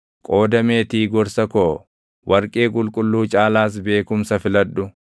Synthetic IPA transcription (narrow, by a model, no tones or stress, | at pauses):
kʼo̞ːd̪ɐmeːt̪iːɡɔɾsɐkoː | wʔɐɾkʼe̞ːkʼʊlkʼʊlːuːt͡ʃʼaːlaːs̬be̞ːkʊmsɐfɪlɐd̪ːʊ